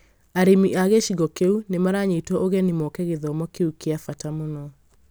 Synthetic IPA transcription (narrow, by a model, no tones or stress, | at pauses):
aɾimiʔaɣeʃiɣɔkeunemaɾaɲetwɔʔoɣɛnimɔkɛɣeðɔmɔkeukeafatamonɔ